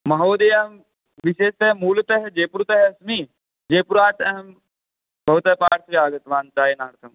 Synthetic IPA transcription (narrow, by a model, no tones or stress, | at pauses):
mɐɦoːd̪ejɐm | ʋiʃeːst̪ɐɦmuːlt̪ɐɦed͡ʒeːpuɾt̪ɐɦɐsmi | d͡ʒeːpuɾaːt͡ʃɐɦɐm | bʱɐʋt̪ɐpaːʈsiaːɡɐt̪ʋaːnt͡saːɦenaːɾt̪ʰɐm